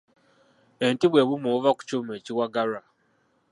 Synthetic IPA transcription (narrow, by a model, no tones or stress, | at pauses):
entiβwe̞ːβumovaku̥cumeːciwaɡaɾa